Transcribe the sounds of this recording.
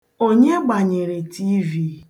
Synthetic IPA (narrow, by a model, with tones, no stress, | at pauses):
o˦ɲe˦ɡ͡ba˨ɲe˨ɾe˨tʰi˦vi˦